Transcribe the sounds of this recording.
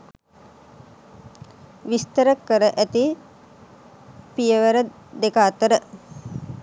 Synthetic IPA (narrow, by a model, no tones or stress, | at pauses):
ʋist̪əɾəkːəɾəʔæt̪i | pijəʋəɾə | d̪ekaːt̪əɾə